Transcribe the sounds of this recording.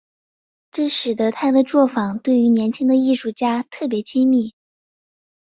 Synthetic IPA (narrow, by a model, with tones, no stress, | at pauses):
ʈ͡ʂɤ˥˩ʂɻ̩˨˩t̪ə˧˥t̪ʰa˥d̪ə˨ʈ͡ʂwɔ˥˩fɑ˨˩ŋt̪we˥˩ɪy˧˥njɛ˧˥nt͡ɕʰi˥ŋd̪ə˨˧i˥˧ʂu˥˩t͡ɕja˥t̪ʰɤ˥˩p̬jɛ˧˥t͡ɕʰi˥mi˥˩